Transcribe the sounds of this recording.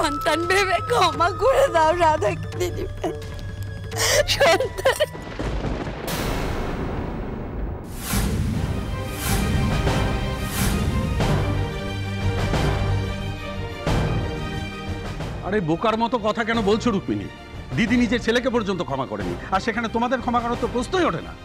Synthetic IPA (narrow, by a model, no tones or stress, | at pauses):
ʃɔnt̪anbeβekʰɔmakoɾed̪aoɾad̪ʱakid̪id̪ibe | ʃɔnt̪an | a̰ɾebokaɾmɔt̪okɔt̪ʰakɛnobolt͡ɕʰoɾukmḭnḭ | d̪id̪inid͡ʑeɾt͡ɕʰelek̬epɔɾd͡ʑont̪okʰɔmakɔ̰ɾḛnḭaɾʃekʰanet̪omad̪eɾkʰɔmakaɾot̪ːopɾost̪ojoʈʰena̰